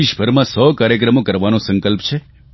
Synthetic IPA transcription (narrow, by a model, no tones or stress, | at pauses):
iʃbʱəɾmãsɔkaːɾjək̬ɾəmokəɾʋanõsə̃ŋkəlpt͡ʃʰe